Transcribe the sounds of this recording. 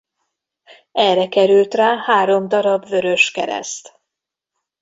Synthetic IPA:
ɛrɛkɛɾylt̪raːhaːɾo̞md̪ɒɾɒbvø̞ɾø̞ʃkɛɾɛ̰st̪

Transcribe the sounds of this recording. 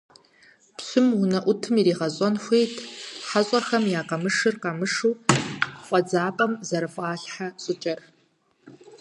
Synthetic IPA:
pɕʷʊmunɐʔʷʊtʰɨmiɾiːʁɐɕʼɔnxʷejtʰħaɕʼɐrxɐmjaːqɐmɨʂɨrqɑmɨʂuː | χʷʼɐd͡zaːpʼɐmzɐɾɨfʷʼaːɬħaɕʷʼʊt͡ʃʼɐr

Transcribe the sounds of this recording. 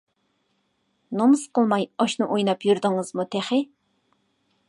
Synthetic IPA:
nomsqəlˠmɑjɑʃnɨʔojnɑpjyɾd̪ɪŋɨzmut̪ʰæχɪ

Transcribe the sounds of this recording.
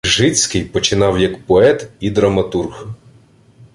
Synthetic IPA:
ʒɪt͡sʲkɪjpɔt͡ʃɪnɑwjɐkpɔɛt̪id̪ɾɐmɐt̪urx

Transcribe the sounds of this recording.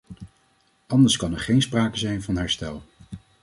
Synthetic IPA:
ɑndəɹskɑnɛɹχejnspraːkəzɛjnvɑnɦɛɹstɛlˠ

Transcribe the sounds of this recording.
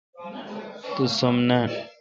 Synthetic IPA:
t̪usomna

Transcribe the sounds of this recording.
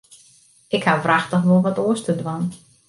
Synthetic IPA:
ɪkhavraxtəxʋolˠʋɔtoəstədwan

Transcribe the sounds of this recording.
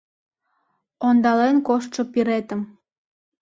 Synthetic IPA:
ond̪ɑlenkoʃt̪ʃopiɾet̪əm

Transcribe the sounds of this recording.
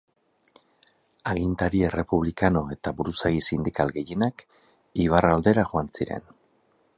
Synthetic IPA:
aɣint̪aɾiere̞puβ̞likano̞e̞t̪aβuɾusaɣisind̪ikalɣe̞je̞nak | iβ̞arald̪e̞ɾaxuansiɾe̞̰n

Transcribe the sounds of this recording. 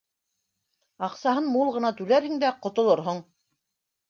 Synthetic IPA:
ɑqsɑɦɤnmulˠʁɤ̆nɑt̪ʉlæɾhɘ̆ŋd̪æqŏt̪ŏlˠoɾɦoɴ

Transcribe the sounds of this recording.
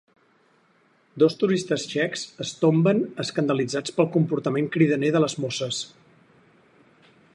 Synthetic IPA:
d̪ost̪uɾist̪əsʃɛkz̥əst̪ombənəskənd̪əlid͡zat͡spəlˠkumpuɾt̪əmeŋkɾiðəneðələzmosəs

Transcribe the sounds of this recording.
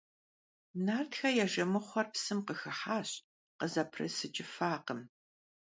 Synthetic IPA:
naːrtxɐjɛʒɐmɨχʷɔrpsɨmqəxɨħaːɕʼ | qəzɐpʰrɨ̰sɨt͡ʃʼɪfaːqəm

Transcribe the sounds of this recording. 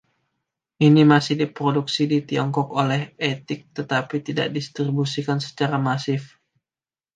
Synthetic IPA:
ʔinimasɪhdipɾoduksidit̪iɔŋkɔkolɛhet̪ɪk̚t̪ət̪apit̪ida̰ʔ̚dist̪ɾibusikansə̥t͡ʃaɾamasɪf

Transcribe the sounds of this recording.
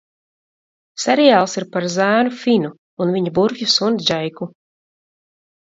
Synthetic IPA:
sɛɾijaːlˠsiɾpaɾzæːnufinu | unviɲabuɾfʲjusunzʲd͡ʒajku

